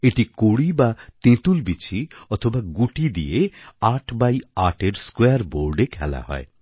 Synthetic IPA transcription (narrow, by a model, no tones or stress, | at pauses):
eʈikoɽibat̪ẽt̪ulbit͡ɕʰiɔt̪ʰobaɡuʈid̪ḭeaʈʰbajaʈeɾskweaɾboɾɖekʰɛ̰la̰hɔ̰e